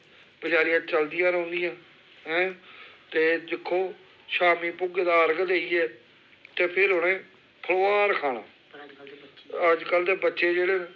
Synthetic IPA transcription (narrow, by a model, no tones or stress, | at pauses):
bəd͡ʒaːɾijãːt͡ʃəld̪ijãːɾəːnd̪ɪjãː | ɦɛ̃ːt̪eːd̪ɪkʰːoː | ʃaːmiːpʊɡd̪aːəɾɡd̪eːiːɛː | t̪eːpʰɪɾɦʊnẽː | pʰəloːaːɾkʰaːnã̰ː | əd͡ʒkəld̪eːbətːʃeːd͡ʒeːɽeː